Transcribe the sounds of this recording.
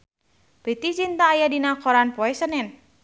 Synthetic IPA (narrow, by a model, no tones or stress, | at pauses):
pet̪it͡ʃint̪aːjadinakɔɾanpɔɛsənɛn